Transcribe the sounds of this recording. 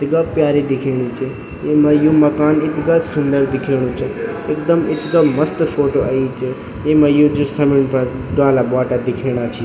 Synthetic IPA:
ɪt̪ɡapjaːɾed̪ɪkʰeːɽ̃it͡ʃʰi | emɐjumɐkaːnɪt̪ɡasʊnd̪əɾd̪ɪkʰeːɽ̃ũt͡ʃʰɐ | eːkd̪əmɪt̪ɡamɐst̪pʰoːʈoɐit͡ʃʰi | emɐ̃jũd͡ʒusɐmiɽ̃pɐ | ɖaːlabaːʈad̪ɪkʰeːɽ̃at͡ʃʰi

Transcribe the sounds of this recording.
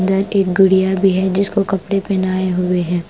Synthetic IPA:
nd̪əɾeːk̚ɡʊɽijabʱiɦɛd͡ʒɪskokɐpɽepɛnaːeɦʊeɦɛ̃ː

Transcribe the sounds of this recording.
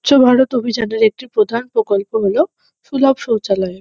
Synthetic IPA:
ɕʰobʱaɾot̪obʱid͡ʑaneɾek̚ʈipɾod̪ʱanpɾokolpoɦolo | ʃulabʃowt͡ɕalɔe

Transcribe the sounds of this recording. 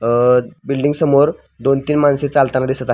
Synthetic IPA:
bilɖiŋɡsəmoɾ | d̪ont̪iːnmanset͡salt̪anad̪isət̪a

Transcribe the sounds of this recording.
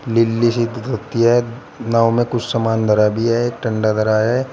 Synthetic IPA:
lɪlːisɪt̪ɡʱɐt̪iɦɛ | naːwmẽkʊt͡ʃʰsɐmaːnd̪ʱɐɾaːbʱiɦɛʈɐ̃ɳɖad̪ʱɐɾaːɦɛː

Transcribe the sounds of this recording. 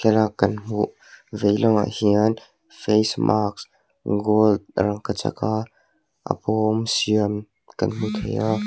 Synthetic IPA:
kʰɛlakːɐnm̥uʔ | vejlɔŋa̰hiən | fejsmʔaks | ɡold̪̚ɾɐŋkat͡sa̰ka | ʔa̰pɔmsiəm | kɐ̰nm̥ut̪ʰeja

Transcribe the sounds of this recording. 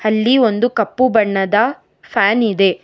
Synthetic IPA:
ɐlːio̞nd̪ukɐpːubɐɳːɐd̪ɐ | pʰaːnid̪e̞

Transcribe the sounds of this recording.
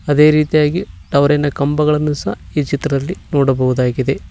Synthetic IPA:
ɐd̪e̞ːɾiːt̪ijaːɡiʈɐʋɾenɐkɐmbɐɣɐɭɐnːusɐhaiːt͡ʃit̪ɾɐd̪ɐlːinoːɽɐbɐʋud̪aːɡid̪e̞

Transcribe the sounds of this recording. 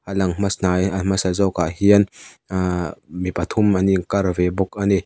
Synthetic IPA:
ʔalɐŋmasnajamasazɔwkaʔhiən | mipɐt̪ʰʊmaniŋkɐrvɛbɔk̚ʔani

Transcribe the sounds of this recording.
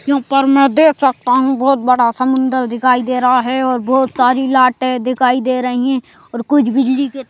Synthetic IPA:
jɐɦãːpɐɾmɛ̃ːd̪eːkʰsɐk̚t̪aɦũbɔːt̪̚bɐɽasɐmʊ̃nd̪əɾd̪ɪkʰaːid̪eːɾɐɦaɦɛɔːɾbɔːt̪saːɾilaːʈẽd̪ɪkʰaːid̪eːɾɐɦiɦɛ̃ | ɔːɾkʊt͡ʃʰbɪd͡ʒlike

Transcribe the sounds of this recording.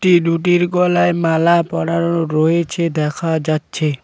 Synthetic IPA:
ʈiɖuʈ̬iɾɡɔlaemalapɔɽaɾɔoɾoɦet͡ʃʰed̪ɛkʰad͡ʒatːt͡ʃʰe

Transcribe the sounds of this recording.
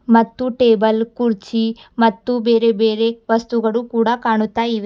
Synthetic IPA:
mɐt̪ːuʈeːbɐlkuɾt͡ʃimɐt̪ːubeːɾebeːɾeʋɐst̪uɡɐɭukuːɽakaːɳut̪ːaːjiʋe

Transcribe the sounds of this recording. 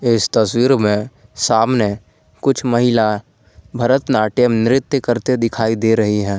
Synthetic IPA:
ɪst̪ɐswiːɾmẽsaːmne | kʊt͡ʃʰmɐɦɪla | bʱɐɾət̪naːʈemnɪɾɪt̪jəkəɾt̪ed̪ɪkʰaːid̪eɾɐɦiɦɛ̃ː

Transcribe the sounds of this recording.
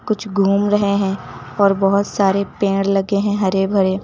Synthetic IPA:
kʊt͡ʃʰɡʱuːmɾɐɦeɦɛ̃ɔːɾbɔɦʊt̪saːɾepẽːɽlɐɡeɦɛ̃ɦɐɾebʱɐɾe

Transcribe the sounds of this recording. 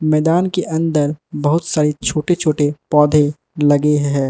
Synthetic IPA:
mɛːd̪aːnkeʔɐ̃nd̪əɾbɐɦʊt̪saːɾet͡ʃʰoːʈet͡ʃʰoːʈepɔːd̪ʱe | lɐɡeɦɦɛ̃ː

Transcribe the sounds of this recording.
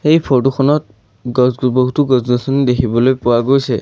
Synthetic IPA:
xejpʰɔtuxʰɔnɔt̚ | ɡɔzbɔɦutʊɡɔsɡɔsɔnidekʰibɔlojpʊwaɡojsɛ

